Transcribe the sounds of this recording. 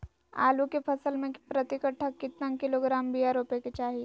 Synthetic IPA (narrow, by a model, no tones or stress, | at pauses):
a̰ːlukepʰɐsəlmẽpɾɐt̪ɪkəʈʰːakɪt̪nãkɪloɡɾaːmbiːaːɾoːpeket͡ʃaːɦi